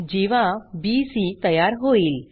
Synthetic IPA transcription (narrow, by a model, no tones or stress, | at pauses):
d͡ʑeʋãbisit̪əjaɾɦoiːl